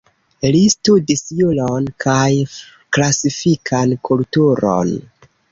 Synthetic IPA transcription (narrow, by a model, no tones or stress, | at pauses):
listudisjulonkʰaj | klasifikʰankʰultuɾo̰n